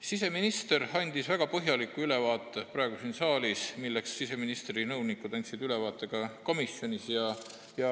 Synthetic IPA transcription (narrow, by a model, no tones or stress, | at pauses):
sise̞minist̪e̞ɾɑnʲd̪̥isvæɡ̥ɑpɤɦjɑlikːˑuyle̞vɑːt̪ːˑeprɑˑe̞ɡ̥usinsɑːlismilːe̞ksːise̞minist̪rinɤwnikːˑud̪̥ɑnʲt̪ʲsid̪̥yle̞vɑːt̪ˑːe̞ɡ̥ɑko̞misjo̞nʲisjɑ | jɑ